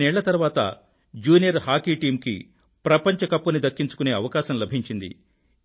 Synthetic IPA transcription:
nɛːɭːɐt̪ɐɾʋaːt̪ɐ̰ | d͡ʒuːnijɐɾhaːkiːʈiːmkḭ | pɾɐpɐɲt͡ʃɐkɐpːunid̪ɐkːiɲt͡ʃukune̞ːɐʋɐkaːʃɐmlɐbʱiɲt͡ʃind̪ḭ

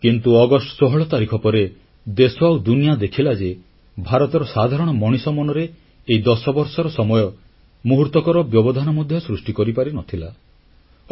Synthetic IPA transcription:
kint̪uɔɡɔsʈɔ̥sɔɦɔɭɔt̪aɾikʰɔpɔɾe | d̪esɔawd̪unijad̪ekʰilad͡ʒe | bʱaɾɔt̪ɔɾɔsad̪ʱaɾɔɽ̃ɔmɔɽ̃isɔmɔnɔɾeː | id̪ɔsɔbɔɾsɔɾɔsɔmɔjɔ | muɦuɾt̪ɔkɔɾɔbjɔbɔd̪ʱanɔmɔd̪ʱjɔsɾusʈikɔɾipaɾinɔt̪ʰila

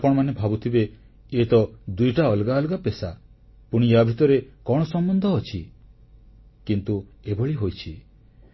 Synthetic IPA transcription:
pɔɽɔmanebʱabut̪ʰibe | et̪ɔd̪ujʈaɔlɡaɔlɡapesa | puɽ̃ijabʱit̪ɔɾekɔɽ̃ɔsɔmbɔnd̪ʱɔːt͡ʃʰi | kint̪uebɔɭiɦojt͡ʃʰi

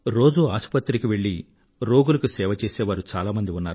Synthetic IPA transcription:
ɾo̞ːd͡ʒuaːʃpɐt̪ːɾikiʋe̞ɭːi | ɾo̞ːɡulɐkusɛːʋɐt͡ʃeːseːʋaːɾut͡ʃaːlaːmɐnd̪iunːaːɾu

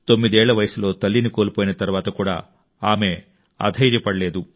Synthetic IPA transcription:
t̪o̞mːid̪ɛːɭːɐʋɐjɐsulo̞ːt̪ɐlːiniko̞ːlipoːjinɐt̪ɐɾuʋaːt̪ɐkuːɽa̰ː | aːme̞ | ɐ̰d̪ʱɐjd͡ʒɛpːɐɽɐle̞ːd̪u

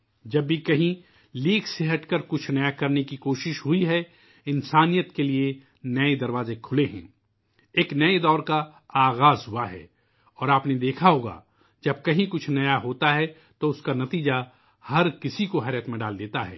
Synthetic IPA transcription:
d͡ʒɐbːikɐɦĩ | liːkseɦɐʈkɐɾkʊt͡ʃʰnɐjakɐɾnekikoːʃɪʃɦʊiɦɛ | ɪnsaːnijət̪kelie | nɐed̪ɐɾʋaːzekʰʊleɦɛ̰̃ː | eːknɐed̪ɔːɾkaaːɣaːzɦʊaɦɛ̰ː | ɔːɾaːpned̪eːkʰaɦoːɡa̰ | d͡ʒɐb̚kɐɦĩkʊt͡ʃʰnɐjaɦoːt̪aɦɛ | t̪oʊskanɐt̪iːd͡ʒa | hɐɾkɪsikoɦɛːɾjət̪mẽɖaːld̪eːt̪aɦɛ̰ː

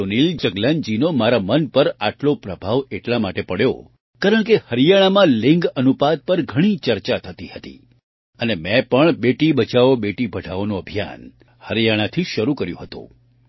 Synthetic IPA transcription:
onild͡ʒəɡland͡ʒinomaɾamənpəɾaʈlopɾəbʱaʋeʈlamaʈepəɽjo̰ | kaɾəɳkehəɾijaɽ̃amãlɪ̃ŋɡənupad̪̚pəɾɡʱəɽ̃it͡ʃəɾt͡ʃat̪ʰət̪ihət̪ḭ | ənemɛ̃pəɳbeʈibət͡ʃaʋobeʈibʱəɖʱaʋonoəbʱija̰n | həɾijaɽ̃at̪ʰiʃəɾukəɾjṵ̃ɦət̪ṵ̃

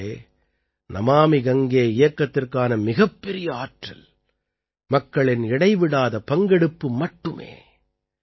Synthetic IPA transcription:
eː | nɐmaːmiɡɐŋɡeːɪjɐkːɐt̪ːɪrkaːnɐmɪɣɐpːɛɾɪjɐaːʈrɐ̰l | mɐkːɐɭɪnɪɽɐɪʋɪɽaːðɐpɐŋɡɛɽɯpːɯmɐʈːɯmḛː

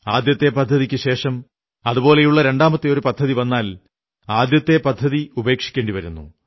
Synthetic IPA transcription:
aːd̪jɐt̪ːe̞pɐd̪ʱːɐðikʲːɨɕe̞ːʂɐm | ɐðubo̞ːle̞juɭːɐɾe̞ɳɖaːmɐt̪ːeo̞ɾupɐd̪ʱːɐðiʋɐnːaːl | aːd̪jɐt̪ːe̞pɐd̪ʱːɐðiube̞ːkʂi̥kʲːe̞ːɳɖiʋɐɾunːṵ

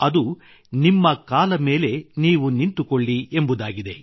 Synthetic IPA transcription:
ɐd̪u | nimːɐkaːlɐme̞ːle̞niːʋunint̪ukoɭːiembud̪aːɡid̪e̞

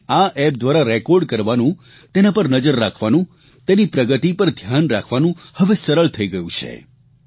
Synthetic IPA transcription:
aʔɛp̚d̪ʋaɾaɾekoɾɖkəɾʋanũ | t̪enapəɾnəd͡ʒəɾːakʰʋanũ | t̪enipɾəɡət̪ipəɾd̪ʱjanɾakʰʋanũhəʋesəɾəɭt̪ʰəiɡəjũt͡ʃʰḛ

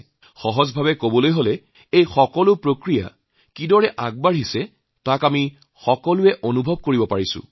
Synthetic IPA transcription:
xɔɦɔzbʱabɛkobɔlojɦolɛ | ejxɔkɔlʊpɹokɹija̰ | kidɔɹɛʔak̚baɹisɛ | takami | xɔkɔlʊɛʔonubʱɔb̚koɹibɔpaɹisʊ̰̃

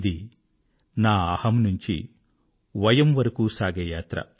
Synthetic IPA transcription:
d̪i | naːɐːhɐmnuɲt͡ʃḭ | ʋɐjɐmʋɐɾɐkuːsaːɡɐjaːt̪ɾɐ̰

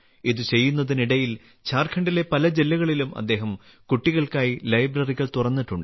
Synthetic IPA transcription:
iðut͡ɕe̞jːunːɐðiniɽɐjil | t͡ɕaːrkʰɐɳɖile̞pɐlɐd͡ʑelːɐɣɐɭilumʔɐ̰d̪ːe̞ːɦɐm | kuʈːiɣɐɭkaːjilɐjbrɐriɣɐɭt̪urɐnːiʈːuɳɖɨ

